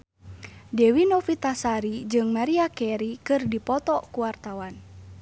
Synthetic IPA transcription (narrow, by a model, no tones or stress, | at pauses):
dɛwinofit̪asaɾid͡ʒɨŋmaɾiakɛɾikɨrdipɔt̪ɔkuwart̪awan